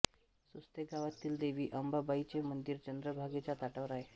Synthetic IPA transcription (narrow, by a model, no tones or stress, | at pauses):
sust̪eɡaʋat̪iːld̪eʋiːʔəmbabait͡ɕemənd̪iːɾd͡ʑənd̪ɾəbʱaɡet͡ɕat̪aʈəʋɾaɦe